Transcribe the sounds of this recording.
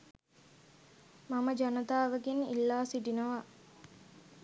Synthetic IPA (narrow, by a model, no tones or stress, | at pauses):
maməd͡ʒanət̪aːʋəɡenḭlːaːsiɖinəʋa